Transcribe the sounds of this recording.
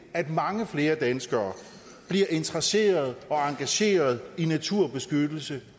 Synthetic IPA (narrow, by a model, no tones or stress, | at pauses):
æd̥mɑ̈ŋəfle̝ːɐd̥ænsɡ̥ɐː | b̥liɐʔe̝nt͡sʰʁɐse̝̰ːɐð̞̩ˠɒ̽ɑ̈ŋɡ̥æɕe̝̰ːɐð̞̩ˠinæt͡sʰuɐ̰b̥e̝sɡ̥ød̥l̩sə